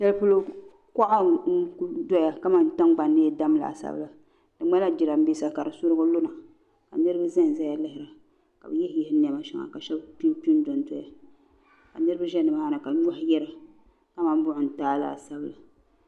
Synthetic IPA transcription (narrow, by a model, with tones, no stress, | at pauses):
ʃɛ˦lpʊ˦lo˦ | ka˦ʔa˦n̩˦ku˦dɔ˦ja˨ka˦ma˦nta˦ŋɡ͡ba˨nːɨ˦da˦m˦la̰˨sa̰˦b̰la˨ | d̥ɨ˨ŋ͡ma˦la˦d͡ʒɪ˨la˨m̩˦bi˦sa˨ka˨ɾɨ˨sʊ˦ɾɨ˦ɡo˦lʊ˦na˨ | ka˨nɨ˦ɾɨ˦ba˦za˦n˨za˦ja˦lɪ˦hɪ˨ɾa˨ | ka˨bɨ˨jɛ˦hjɛ˦hɪ˦n˨ɛ˨ma˦ʃɛ˦ŋa̰˨ka˨ʃɛ˦bpi˦pi˦n˦dɔ˨ndɔ˦ja̰˨ | ka̰˨nɨ˦ɾɨ˦ba˦ʒɛ˦nɨ˨ma˨ha˦na˨ka˨˦ɲ˦a˦hjɛ˦ɾa˨ | ka˦ma˨n˦bʊ˦ʔʊ˨n̩˨taː˦la̰˨sa˦bla˨